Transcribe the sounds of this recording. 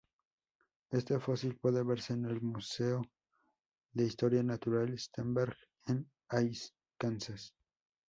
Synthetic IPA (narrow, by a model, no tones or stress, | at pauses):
e̞st̪efosilpwe̞ðeβe̞ɾseːne̞lmuseo | ðeist̪o̞ɾjanat̪uɾalest̪embeɾɣ | en | ajs | kansas